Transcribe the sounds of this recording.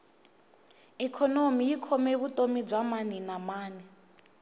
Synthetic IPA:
ikʰɔnomijikʰɔmeβutʼomib͡ʐamaninamaːni

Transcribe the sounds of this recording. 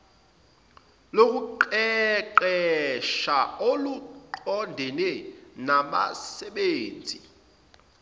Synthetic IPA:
lok̬ʼuǃɛǃɛʃaoluǃɔndʱɛnɛnaɓa̰sɛɓeːnd͡zʱi

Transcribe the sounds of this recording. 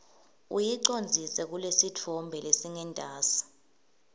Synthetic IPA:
ṵjiǀond͡zʱisɛk̬ulesitʰɔmbʱɛlesiŋɛndʼʱaːsḁ

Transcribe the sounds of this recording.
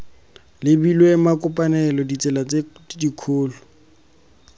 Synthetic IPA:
lɪbilwemakʊpʼanɛlɔdit͡sʼɛlat͡sʼedikʰoːlɔ

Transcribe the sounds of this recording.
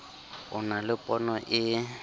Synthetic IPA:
ʊnalɪpʼɔnɔʔɪ

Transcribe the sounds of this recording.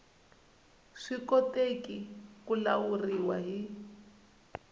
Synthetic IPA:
ʂikɔtekikulauriwaɦi

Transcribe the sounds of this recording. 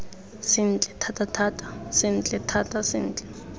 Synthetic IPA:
sɪn̩t͡ɬʼɛtʰatʰatʰatʰʼḁsɪn̩t͡ɬʼɛtʰatasɪn̩ːt͡ɬʼɛ̥

